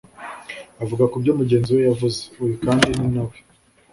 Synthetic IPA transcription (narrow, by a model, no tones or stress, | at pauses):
avuɡakubɟo̞ːmuɟe̞ːnziwejavuzeujikaːndininawe